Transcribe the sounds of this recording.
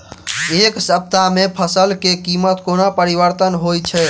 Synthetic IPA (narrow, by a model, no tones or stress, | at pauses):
eksəp̚t̪amepʰəsəlkekimət̪konapəɾiʋəɾt̪ənɦojt͡ʃʰɛ